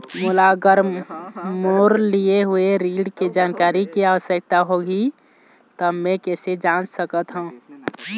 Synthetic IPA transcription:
mulaɡəɾ | moːɾlieɦueɾiɖked͡ʒaːnkaːɾikiaːʋəsjək̚t̪aɦoɡi | t̪ɔmmẽkɛːsed͡ʒãnt͡ʃsəkət̪ɦũː

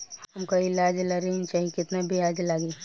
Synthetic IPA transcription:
hɦɐmkaɪlaːd͡ʒlaɾint͡ʃaːɦikɪt̪nabʱiaːd͡ʒlaːɡeː

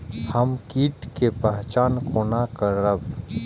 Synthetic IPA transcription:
həmkiːʈkepəɦt͡ʃaːnkoːnakəɾəb

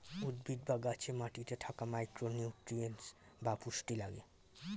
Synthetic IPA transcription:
ud̪bʱid̪̚baɡat͡ɕʰemaʈiʈeʈʰakamajkɾonjuʈɾiens | bapuʃʈilaɡe

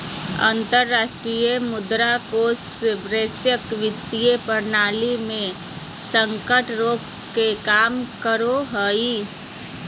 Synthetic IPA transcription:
ə̰̃nt̪əɾːaːʃʈɾiːjəmʊd̪ɾakoːsɪbɾeːsjəkʋɪt̪ːijepəɾnaːlimẽ | sə̃ŋkəʈɾoːk | kekaːmkəɾoɦəi

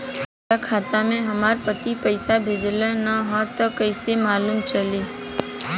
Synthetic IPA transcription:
aakʰat̪amẽɦəmaɾpət̪ipəjsabʱed͡ʒlanəɦɔt̪əkəjsemalumt͡ʃəli

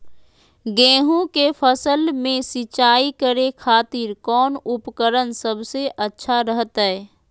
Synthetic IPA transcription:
ɡɛ̃ːɦõkepʰəsəlmẽsɪt͡ʃaːikəɾekʰaːt̪iːɾkɔːnʊpkəɾənsəbseʔətːʃʰaɾəɦət̪ɦɛɛ

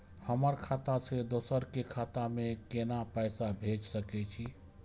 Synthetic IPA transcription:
həməɾkʰat̪ased̪oːsəɾkekʰat̪amekenapəjsabʱed͡ʒsəkɛt͡ʃʰi

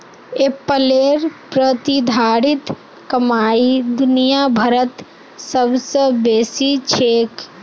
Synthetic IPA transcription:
epəleɾpɾət̪id̪ʱaːɽit̪ | kəmaid̪unijabʱəɾət̪ | səbsə̃beːsit͡ʃʰeːk

